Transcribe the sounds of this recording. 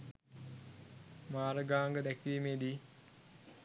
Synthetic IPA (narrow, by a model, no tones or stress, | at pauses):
maːɾəɡaːŋɡəd̪ækiʋimeːd̪i